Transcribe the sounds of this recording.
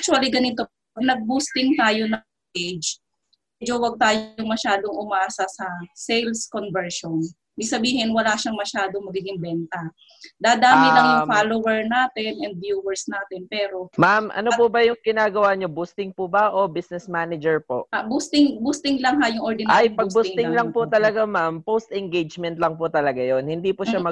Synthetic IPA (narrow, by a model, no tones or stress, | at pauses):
ʔk̚t͡ʃʊɐliɡɐnɪt̪oponɐɡ̚bust̪ɪŋt̪aːjo̞nɐ | ʔed͡ʒ | mmmɛd͡ʒowɐɡ̚t̪aːjoŋmɐʃaːd̪o̞ŋʔʊmɐʔaːsɐsɐsɛjlskonvɛɹʃon | ibɪɡ̚sɐbiːɦɪnwɐlaʃɐŋmɐʃaːd̪oŋmɐɡiːɡɪŋbɛnt̪ɐ | d̪ad̪aːmɪɐŋjʊŋfaːlowɛɹnaːt̪ɪnʔɛnd̪̚vjuːwɛɹsnaːt̪ɪnpɛːɾo̞mamʔɐ̰nopʊbɐjʊŋɡɪnaːɡɐwaɲobust̪ɪŋpʊbaʔobisnɛsmaːnɪd͡ʒɛɹpoʔabust̪ɪŋbust̪ɪŋlɐŋɦajʊŋʔoɹd̪ɪnajpɐɡ̚buŋt̪ɪŋlɐŋpʊt̪ɐlɐɡamampost̪ɛŋɡejd͡ʒmɛnt̪lɐŋpʊt̪ɐlɐɡajonhɪnd̪ipʊʃamɐ